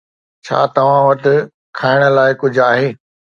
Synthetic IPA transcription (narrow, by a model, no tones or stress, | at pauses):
t͡ɕʰa̰ːt̪ɐʋ̤ãʋɐt̪ɪ̆ | kʰaːɪɽ̃ə̆laːɪkʊd͡ʑʱaːɦeː